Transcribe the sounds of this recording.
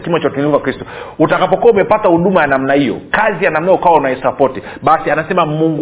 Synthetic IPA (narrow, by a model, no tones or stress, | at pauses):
kimat͡ʃautumilivwakɾistɔ̥utakapɔkuwaumɛpatahuɗumajanam̩nahijɔ̰kazijanam̩naukawaunaisapɔti | ɓasianasɛmamuŋɡ